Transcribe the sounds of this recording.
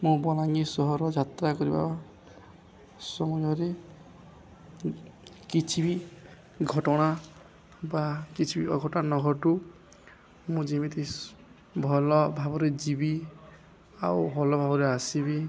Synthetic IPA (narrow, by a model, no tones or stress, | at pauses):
mũbɔlaŋisɔɦɔɾɔd͡ʒʱat̪ɾakɔɾiba̰ | sɔmud͡ʒɔɾe | kit͡ʃʰibi | ɡʱɔʈɔɽ̃a | bakit͡ʃʰibiɔɡʱɔʈɔnanɔɡʱɔʈu | mũd͡ʒimit̪ʰi | bʱɔlɔbʱabɔɾed͡ʒibi | a̰wbʱɔlɔbʱabɔɾeasibi